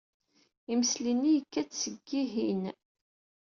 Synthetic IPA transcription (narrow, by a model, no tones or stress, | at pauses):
iməslinːijəkːæt͡sːsəɡːiɦin